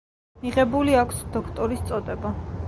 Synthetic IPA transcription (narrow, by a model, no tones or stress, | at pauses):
miʁɛbuliakʷʰsd̪ɔkʰt̪ʼɔɾist̪sʼɔd̪ʼɛba